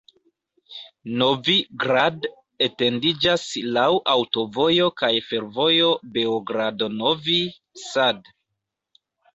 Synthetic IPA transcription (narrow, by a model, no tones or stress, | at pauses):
no̞viɡɾad | ete̞ndid͡ʒaslawʔawto̞vo̞jo̞kajfe̞ɾvo̞jo̞be̞oɡɾadono̞vi | sad